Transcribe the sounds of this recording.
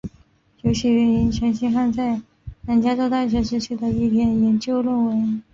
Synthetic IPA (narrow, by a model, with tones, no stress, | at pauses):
t͡ɕjo˧˥ʊɕi˧˥ɥɛ˧˥ni˧˥nt͡ɕʰɥɛ˧˥nɕi˥ŋxa˥˧nt͡sa˥˩ɪ | na˧˩nt͡ɕja˥ʈ͡ʂo˥˧ʊt̪a˥˩nɕ̬ɥɛ˧˥ʂɻ̩˥t͡ɕʰi˥˩d̪ə˨˩i˥˩t̪ʰjɛ˥˩njɛ˧˥nt͡ɕjo˥ʊlə˥˩nwe˧˥ɪ